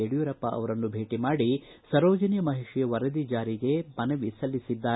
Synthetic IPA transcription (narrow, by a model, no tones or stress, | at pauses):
eɽijuɾɐpːɐʔɐ̰ʋɐɾɐnːubʱe̞ːʈimaːɽi | sɐɾoːd͡ʒɐnijɐmɐɦiʂjɐʋɐɾɐd̪id͡ʒaːɾiɡe̞mɐnɐʋisɐlːisid̪ːaː